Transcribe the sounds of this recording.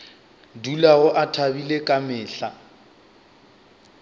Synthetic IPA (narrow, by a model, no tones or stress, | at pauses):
dulaɣʊʔatʰabilekʼamɪːɬa